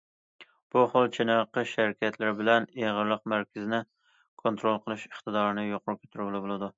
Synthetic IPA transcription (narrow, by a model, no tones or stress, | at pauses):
b̥uχolˠt͡ʃʰenɑqəʃæɾkʲʰɛt̪ʰlɪɾɪbɪlɛneʁəɾlˠəq̚mæɾkʲɪzɪnɪ | kʰont̪ɾolˠqʰəlˠɨʃəχt̪ɨd̪ɑːɾɨnɪjoqʰʊɾkʲʰø̥t̪ʰyɾbɪlˠɪbolˠɨd̪u